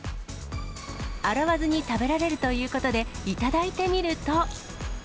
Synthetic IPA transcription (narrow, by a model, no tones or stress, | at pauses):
aɾaβazɨɲ̟it̪abe̞ɾaɾe̞ɾɯ̟t̪o̞jɯ̟ːko̞t̪o̞d̪e̞it̪ad̪ait̪e̞mʲiɾɯ̟t̪o̞